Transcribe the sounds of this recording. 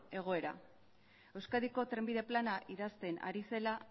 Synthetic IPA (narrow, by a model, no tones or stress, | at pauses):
e̞ɣ̞o̞e̞ɾa̰ | e̞wskaðiko̞t̪ɾe̞mbiðe̞planaʔiðast̪e̞na̰ɾise̞la